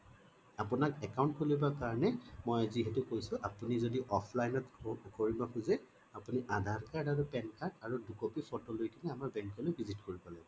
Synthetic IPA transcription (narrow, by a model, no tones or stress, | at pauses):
apʊnakɛkaw̃ntkʰolobakaɹɔnɛmojaziɦɛtʊkojsʊ̃ʔapunizodiʔɔpʰlajnɔtkoɹibakʰuzɛ | apuniʔadʱaɹkaɹtaɹupɛnkaɹtaɹudukopipɔtolojkinɛamaɹbɛŋkɔlojbʱizitkoɹipalɛ